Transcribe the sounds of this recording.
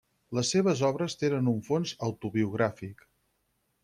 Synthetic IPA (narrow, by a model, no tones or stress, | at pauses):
ləsːeβəzɔβɾəst̪enənuɱfonzəwt̪uβiuɣ̞ɾafik